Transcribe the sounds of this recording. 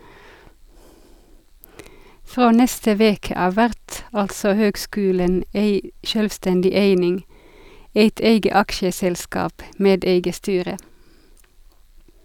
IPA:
ˈfʁoː ˈnɛstə ˈʋeːkə ˈɑːʋ ˈʋæʁt ˈɑltsɔ ˈhøːɡˌskʉːlən ˈæɪ ˈʃøːlʋˌstɛndɪ ˈæɪnɪŋ ˈæɪt ˈæɪɡə ˈɑkʃəsɛlˌskɑːp ˈmeːd ˈæɪɡə ˈstyːʁə

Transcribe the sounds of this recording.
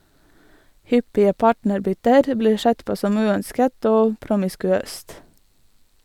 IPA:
ˈhʏpɪə ˈpɑːʈnəɾˌbʏtəɾ ˈbliː ˈʃɛt ˈpoː ˈsɔm ˈʉːœnskət ˈoː pɾʊmɪskʉˈøːst

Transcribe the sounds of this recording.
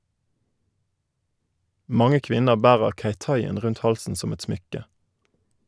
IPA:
ˈmɑŋə ˈkʋɪnəʁ ˈbæːʁəʁ ˈçeɪˌtɑɪɛn ˈʁʉnt ˈhɑlsn̩ ˈsɔm ˈɛt ˈsmʏkə

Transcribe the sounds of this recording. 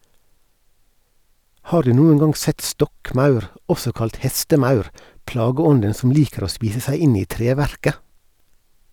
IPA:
ˈhɑːɾ ˈdʉː ˈnuːən ˈɡɑŋ ˈsɛt ˈstɔkˌmɑʉɾ ˈɔsɔ ˈkɑlt ˈhɛstəˌmɑʉɾ ˈplɑːɡəˌɔndən sm̩ ˈliːkəɾ ˈoː ˈspiːsə ˈsæɪ ˈɪn ˈiː ˈtɾeːʋæɾkə

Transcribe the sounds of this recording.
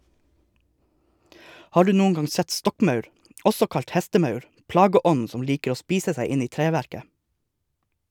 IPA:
ˈhɑː ˈɖʉː ˈnuːn̩ ˈɡɑŋ ˈsɛt ˈstɔkˌmɑʉɾ ˈɔsɔ ˈkɑʎt ˈhæstəˌmɑʉɾ ˈplɑːɡəˌɔn̩ ˈsɔm ˈliːkəɾ ˈoː ˈspiːsə ˈsæɪ ˈɪn ˈiː ˈtɾeːʋæɾkə

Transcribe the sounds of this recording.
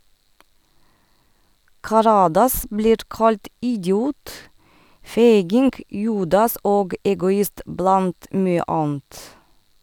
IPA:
kɑˈɾɑːdɑs ˈbliːɾ ˈkɑlt ʔɪɟˈjuːt ˈfeɪɡɪŋɡ ˈjuːdɑs ˈoːɡ ʔɛɡʊˈɪst ˈblɑnt ˈmyːə ˈʔɑːn̩t

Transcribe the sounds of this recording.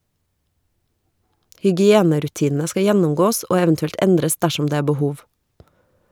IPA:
hʏɡɪˈeːnəɾʉˌtiːnn̩ə ˈskɑ ˈjɛnʊmˌɡoːs ˈoː ˈɛʋn̩tʉɛlt ˈɛndɾəs ˈdæʃʊm ˈdeː ˈeː bəˈhuːʋ

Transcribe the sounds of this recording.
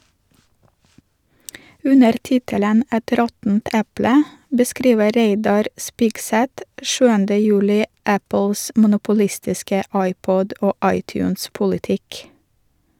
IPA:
ˈʉnəɾ ˈtɪtələn ˈɛt ˈɾɔtn̩t ˈɛplə bəˈskɾiːʋə ˈɾeɪdɑɾ ˈspɪɡsɛt ˈʃʉːəndə ˈjʉːlɪ ˈæpl̩s mʊnʊpʊˈlɪstɪskə ˈɑɪˌpɔd ˈoː ˈɑɪˌtjʉːns pʊlɪˈtɪk

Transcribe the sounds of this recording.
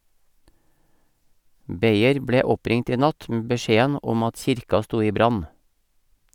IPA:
ˈbeɪəɾ ˈbɽeː ˈɔˌpɾɪŋt ˈiː ˈnɑt m̩ bəˈʃeːən ˈɔm ˈɑt ˈçɪɾkɑ ˈstuː ˈiː ˈbɾɑn

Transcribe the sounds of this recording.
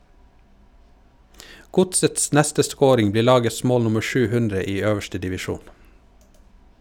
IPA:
ˈɡʊtsəts ˈnɛstə ˈskoːɾɪŋ ˈbliːɾ ˈlɑːɡəs ˈmoːl ˈnʊmə ˈʃʉː ˈhʉndɾə ˈiː ˈøːʋəʃtə dɪʋɪˈʃuːn

